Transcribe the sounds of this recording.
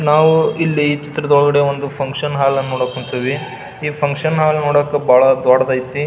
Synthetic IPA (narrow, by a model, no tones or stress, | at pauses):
naːʋuilːiːt͡ʃit̪ɾɐd̪ɔɭɡɐɽe̞ond̪upʰɐŋkʂɐnɦaːlɐnːoːɽɐkːuɳt̪iʋi | iːpʰɐŋkʂɐnɦaːlnoːɽɐkːebaːɭɐd̪aːɽɐd̪ɐːjt̪ːi